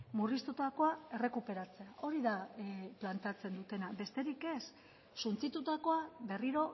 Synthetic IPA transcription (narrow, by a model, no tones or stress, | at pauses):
murist̪ut̪ako̞ae̞re̞kupe̞ɾat͡se̞aʔo̞ɾiðaplant̪eat͡se̞nd̪ut̪e̞nabe̞st̪e̞ɾike̞sː | unt͡sit̪ut̪ako̞aβe̞riɾo̞